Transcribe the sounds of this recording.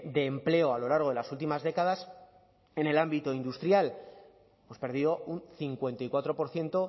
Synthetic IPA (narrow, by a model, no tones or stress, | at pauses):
d̪e̞ːmple̞oalo̞laɾɣðelasult̪̬imazðe̞kað̞as | e̞ne̞lambit̪o̞ind̪ust̪ɾjal | emo̞spe̞ɾð̞iðo̞unθiŋkwe̞nt̪ajkwat̪ɾo̞po̞ɾθje̞nt̪o̞